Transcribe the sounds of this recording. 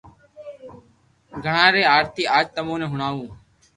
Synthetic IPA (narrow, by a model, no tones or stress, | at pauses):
ɡʱəɳãːɾeːaːɾt̪iːaːd͡ʒt̪əmõːnẽːɦʊɳaːʋũː